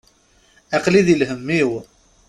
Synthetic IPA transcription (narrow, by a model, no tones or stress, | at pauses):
æqliðilɦəmːiw